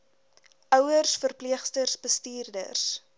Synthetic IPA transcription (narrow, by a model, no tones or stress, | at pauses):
ʔœwərsfərpliəχstərsbəstiːrdə̰rs